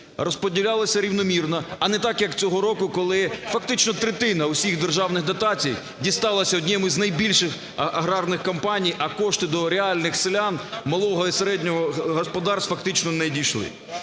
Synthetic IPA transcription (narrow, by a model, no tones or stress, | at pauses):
rɔspɔdʲilʲalˠɐsʲɐɾʲiwnɔmʲirnɐɐnɛt̪ɑkjɐkt͡sʲɔɦɔɾɔkʊkɔlˠɪfɐkt̪ɪt͡ʃnɔt̪ɾet̪ɪnɐʊsʲiɣd̪erʒɑwnɪɣd̪ɐt̪ɑt͡sʲij | dʲist̪ɑlˠɐsʲɐɔdʲnʲɛmʊznɐjbʲilʲʃɪx | ɐɦɾɑrnɪxkɔmpɑnʲijɐkɔʃt̪ɪd̪ɔɾeɑlʲnɪxsɪlʲanmɐlˠɔɦɔiseɾɛdʲnʲɔɦɔɦɔspɔd̪ɑrsfɐkt̪ɪt͡ʃnɔnɛdʲijʃlˠɪ̰